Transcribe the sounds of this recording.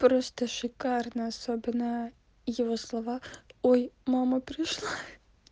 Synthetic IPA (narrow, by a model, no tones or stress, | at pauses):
pɾost̪əʃɪkarnɐɐsobʲɪnə | jɪvoslˠɐvɑojmamɐpɾʲɪʃlˠa